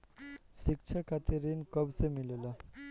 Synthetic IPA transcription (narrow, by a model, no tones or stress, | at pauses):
sikt͡ɕʰakʰat̪ʰeɾinkəbsemilela